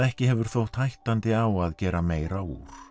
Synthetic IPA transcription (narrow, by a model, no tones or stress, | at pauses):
ɛhcɪɦɛvʏɾ̥θowht̪hajht̪ant̪ɪawaðcɛːɾameːjɾawṵːɾ̥